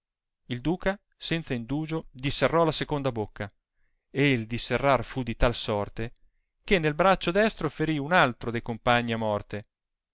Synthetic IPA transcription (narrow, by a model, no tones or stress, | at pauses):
ild̪uːka | sɛnt̪saind̪uːd͡ʒod̪isːerːɔlasekond̪abokːa | eild̪isːerːarfud̪it̪alsɔrt̪e | k̟enːelbɾat͡ʃːod̪ɛst̪ɾofeɾiunalt̪ɾod̪ejkompaɲːiamːɔrt̪e